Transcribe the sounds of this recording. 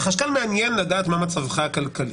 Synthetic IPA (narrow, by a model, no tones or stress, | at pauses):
χaʃkalmeanjenlad̪aʔːt̪mamat͡savχaːkalkali